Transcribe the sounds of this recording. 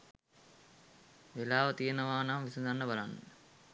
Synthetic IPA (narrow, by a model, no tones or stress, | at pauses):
ʋelaːʋɐt̪ijɐnɐʋaːnaːmʋisud̪anːɐbɐlanːə